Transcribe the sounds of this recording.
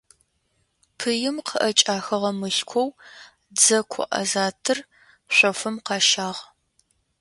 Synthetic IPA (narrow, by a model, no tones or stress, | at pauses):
pʰɨjɪmqʰəʔɐt͡ʃʼaːxɐʁɐmɨɬkʷʰɔw | d͡zɐkʷʰɔ̰ʔɐ̰zaːtʰɨr | ɕʷɔfɨmqɑːʃaːʁ